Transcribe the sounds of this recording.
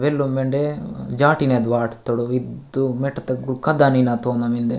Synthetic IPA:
ʋelːumeɳɖed͡ʒaːʈined̪ʋaːʈt̪ːɐɽuid̪umeʈːɐt̪ɐɡukɐd̪aninat̪oːnɐmind̪e

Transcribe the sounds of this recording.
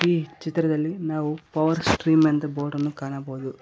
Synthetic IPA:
iːt͡ʃit̪ɾɐd̪ɐlːinaːʋupɐʋɐɾsʈɾiːmɐnd̪ɐboːʈɐnːukaːɳɐboːd̪u

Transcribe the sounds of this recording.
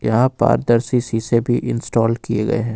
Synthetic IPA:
jɐɦãpa̰ːɾd̪ɐɾsisisebʱiʔɪ̰̃nsʈɔːlkieɡɐ̰eɦɛ̃ː

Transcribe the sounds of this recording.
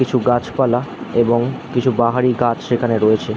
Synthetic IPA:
it͡ɕʰuɡat͡ɕʰpalaeboŋkit͡ɕʰubaɦaɾiɡat͡ɕʰʃekʰaneɾoet͡ɕʰe

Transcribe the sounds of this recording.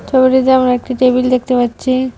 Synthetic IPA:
t͡ʃʰɔbiʈit̪amɾek̚ʈiʈebild̪ek̚ʰt̪epaːt͡ɕʰi

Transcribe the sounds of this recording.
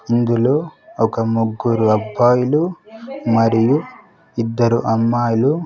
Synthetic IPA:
ind̪uloːɔkɐmuɡːuɾuɐbʱːaːjulumɐɾiju | id̪ːɐɾuʔɐmːaːjulu

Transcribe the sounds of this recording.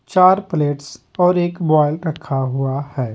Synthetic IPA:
t͡ʃaːɾpleːʈs | ɔːɾeːkbɔːɪlɾɐkʰaɦuahɛː

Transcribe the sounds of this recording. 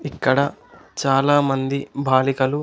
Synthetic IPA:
ikːɐɽɐt͡ʃaːlaːmɐnd̪ibʱaːlikɐlu

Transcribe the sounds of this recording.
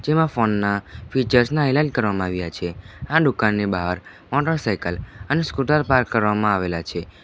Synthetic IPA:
d͡ʒemãfonːafit͡ʃəɾsnaɛlad͡ʒkəɾʋamãaʋjat͡ʃʰeaɖukanːibaɦaɾ | mɔʈəɾsajkələneskuʈaɾpaɾkːəɾʋamãaʋelat͡ʃʰe

